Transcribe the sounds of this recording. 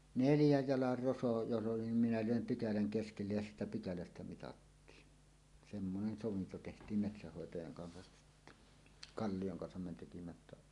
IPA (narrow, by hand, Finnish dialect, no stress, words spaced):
neljæj jɑlɑr roso jos ʔoli nim minæ løˑem pykælæŋ keskelːej jɑ siːtæ pykælæstæ mitɑtːiːn semːonen soʋinto tehtˑiˑm metsæhːoˑetɑjɑŋ kɑnsɑ kɑlːijoŋ kɑnsɑm me tekimæ ĕ tːæ